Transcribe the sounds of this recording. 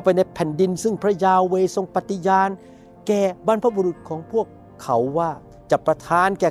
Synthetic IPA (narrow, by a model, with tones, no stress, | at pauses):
wpa˧jna˧jpʰɛ˨˩˦ndi˧nsɯ˥˩ŋpʰɾa˦˧˥jaː˧weː˧so˧ŋpa˨˩t̪ːi˧˩jaː˧n | kɛː˨˩ba˧npʰa˧˥bo˧ɾu˨˩t̪̚kʰɔː˩˦ŋpʰu˥˩əkʰːa˩˦wːaː˥˩ | t͡ɕa˨˩pɾa˧t̪ʰaː˧nkɛː˨˩